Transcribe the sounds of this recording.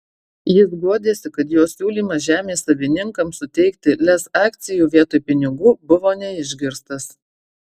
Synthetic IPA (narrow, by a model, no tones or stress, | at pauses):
jɪsɡuɔd̪ʲeːsʲɪkɐt̪joːsʲuːlʲiːmɐʒʲæːmʲeːsːɐʋʲɪnʲɪŋkɐmsʊt̪ʲɛɪkt̪ʲɪlʲɛsɑːk̚t̪sʲɪjuːʋʲiɛt̪oːjpʲɪnʲɪɡuːbʊʋoːnʲɛɪʒʲɡʲɪɾst̪ɐs